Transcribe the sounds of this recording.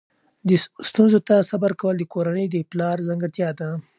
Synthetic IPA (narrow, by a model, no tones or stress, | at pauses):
d̪əst̪unzot̪asabaɾkawəld̪əkoɾanəjd̪əplɑɾzaŋɡəɽt̪jɑd̪a